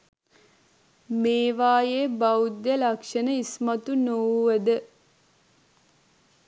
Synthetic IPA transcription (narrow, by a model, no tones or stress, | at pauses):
meːʋaːjebawud̪jəlakʂənəismɐt̪unowʋəd̪ə